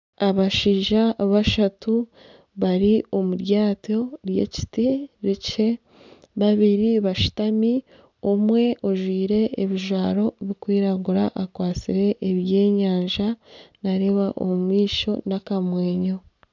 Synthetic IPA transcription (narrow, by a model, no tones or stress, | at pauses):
aβaʃiːʒaβaʃatu | βaɾio̞muɾjaːto̞ɾje̞̰ci̥tiɾece̞ | βaβiɾiβaʃi̥tami | omwe̞ʔo̞ʒwiːɾe̞ːβiʒwaːɾo̞βikwiːɾaɡuɾaʔakwaːt͡siɾe̞ʔːβje̞ːɲaːɲʒanaɾiβaʔo̰mumwiːʃo̞nakamwe̞ːɲo̞